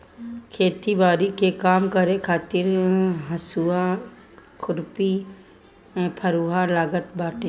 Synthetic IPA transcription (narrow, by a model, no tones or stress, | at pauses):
kʰeːt̪ibaːɾikekaːmkəɾẽkʰaːt̪ɪɾɦəsua | kʰʊɾpĩ | pʰəɾuːɦalaːɡət̪baːʈẽ